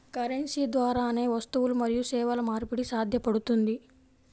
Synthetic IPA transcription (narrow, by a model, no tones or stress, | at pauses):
kɐɾensiːd̪ʋaːɾaːne̞ːʋɐst̪uʋulumɐɾijusɛːʋɐlɐmaːɾpiɽisaːd̪ʱjɐpɐɽut̪und̪i